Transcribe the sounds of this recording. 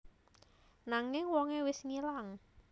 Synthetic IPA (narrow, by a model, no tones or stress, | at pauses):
naŋɪŋwɔŋewɪsnilaŋ